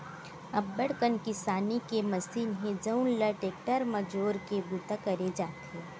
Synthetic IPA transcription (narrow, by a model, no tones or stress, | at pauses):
ɐbːəɽkənkɪsaːnikemɐsiːnɦẽd͡ʒɐʊnləʈeːk̚ʈəɾmɐd͡ʒoːɾkebut̪akɐɾed͡ʒaːt̪ɦeː